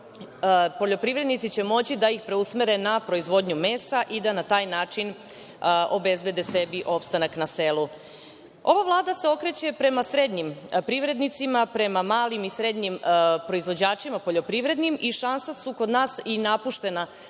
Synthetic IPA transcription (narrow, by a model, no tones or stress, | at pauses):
po̞ʎo̞pɾiʋɾe̞d̪nit̪sit͡ɕe̞mo̞t͡ɕid̪aixpɾe̞usmeɾe̞napɾo̞izʋo̞d̪ɲumeːsaʔid̪anat̪aːjnaːt͡ʂin | o̞be̞zbe̞d̪e̞sebiʔo̞pst̪anaknase̞lu | o̞ʋaʋlˠaːd̪ase̞o̞kɾe̞t͡ɕe̞pɾe̞masɾe̞d̪ɲimpɾiʋɾe̞d̪nit̪simapɾe̞mamaːlimisɾe̞d̪ɲimpɾo̞izʋo̞d͡ʑaːt͡ʃimapoʎo̞pɾiʋɾe̞d̪nimiʃansasuko̞d̪naːsinapuʃt̪e̞na